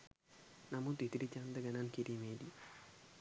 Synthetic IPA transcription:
namut̪it̪iɾit͡ʃand̪əɡanankiɾimedi

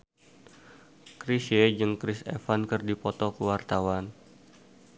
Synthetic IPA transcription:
kɾised͡ʒɨŋkɾɪsɛ̰fankɨrdipɔt̪ɔkəwart̪awan

